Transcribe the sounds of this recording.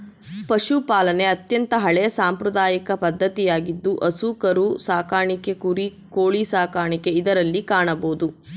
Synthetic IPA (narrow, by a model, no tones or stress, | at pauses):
pɐʃupaːlɐne̞ɐt̪jɐnt̪ɐɦɐɭɛjɐsaːmpɾud̪aːjikɐpɐd̪ʱːɐt̪ijaːɡid̪ːuʔɐsukɐɾusaːkaːɳikekuɾi | koːɭisaːkaːɳike̞id̪ɐɾɐlːikaːɳɐboːd̪u